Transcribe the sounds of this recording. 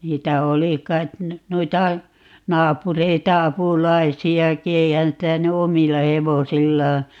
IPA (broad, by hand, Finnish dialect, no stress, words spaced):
niːtæ oli kɑit noitɑ nɑːpureitɑ ɑpulɑisiɑki eihæn sitæ ny omilːɑ heʋosilːɑː